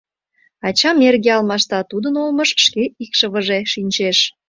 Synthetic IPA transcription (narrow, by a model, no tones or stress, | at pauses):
ɑt͡ɕɑmerɣeɑlmɑʃt̪ɑt̪ud̪ənolməʃːkeikʃəβəʒeʃinʲt͡ɕeʃ